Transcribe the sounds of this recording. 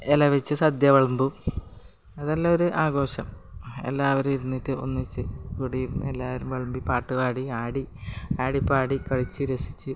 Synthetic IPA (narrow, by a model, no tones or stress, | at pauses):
elɐʋit͡ɕːɨsɐd̪jɐʋɐɭmbu | ɐðelːaoɾuʔaːɡo̞ːɕɐmḛlːaːʋɐɾuiɾunːitːɨo̰nːit͡ɕːɨkuːɽijiɾunːɨ̰elːaːʋɐɾumʋeɭmbipaːʈːuɣaːɽiaːɽiaːɽipaːɽikɐɻit͡ɕːɨɾesi̥t͡ɕːɨ